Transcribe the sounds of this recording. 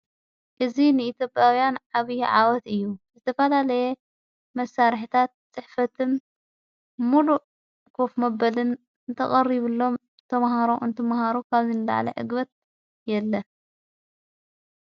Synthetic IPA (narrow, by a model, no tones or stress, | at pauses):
ʔɨzinɨit̪jo̞pʼjawjanʕaβɨjʕa̰wɐt̪ɨjːuzɨt̪ʰɐfɐlalɐjɛ | mɐsːaɾħit̪ʰat̪̚t͡sʼɨħfɐt̪ʰɨn | muluʔ | kʰo̞fmɐbɐlɨn | ɨnt̪ʰɐχʼɐriβɨlːo̞m | t̪ʰɐmɦaɾoʔɨnt̪ʰɐmhaɾukʰaβzɨnɨla̰ʕlɐ̰ʕɨ̰ɡbɐt̪̚ | jɛlːɐ